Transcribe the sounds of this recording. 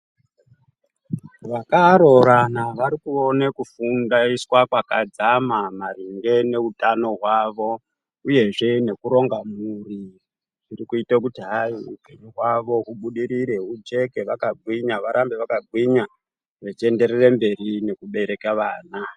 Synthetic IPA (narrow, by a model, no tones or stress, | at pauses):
ʋakaɾo̞ɾanaʋaɾikuo̞nekufundaiswakwakad͡zamamariŋɡe̞ne̞utano̞ɦwaʋo̞ | uje̞ʐe̞ne̞kuɾo̞ŋɡamuri | ʐirikuitakutiɦaiupeɲuɦwaʋo̞ɦuɓuɗiɾiɾe̞ɦud͡ʒe̞ke̞ʋakaɡʱwiɲaʋaɾambe̞ʋakaɡʱwiɲa | ʋet͡ʃie̞nde̞ɾerembe̞rine̞kuɓe̞ɾe̞kaʋaːna